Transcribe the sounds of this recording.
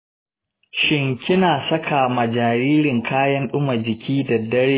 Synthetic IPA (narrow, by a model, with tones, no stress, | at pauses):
ʃɪ˦ŋkʲɪ˦naː˨sɐ˦kʰa˨mɐ˨d͡ʒaː˨ɾiː˦ɾɪ˨ŋkʰaː˦jɐ˦nɗʊ˦mɐ˨d͡ʒɪ˨kʲʰiː˦da˨dɐ˦ɽeː˦